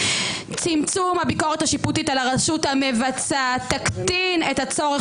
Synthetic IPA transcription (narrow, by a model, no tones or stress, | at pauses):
t͡simt͡sumhabiko̞ʁethaʃiputitalaʁaʃuthamevat͡sat̪aktinetat͡so̞ʁe